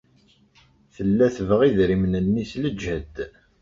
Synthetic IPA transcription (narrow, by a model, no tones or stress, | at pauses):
θəlːæθəvʁiðɾimnənːisləd͡ʒæd̪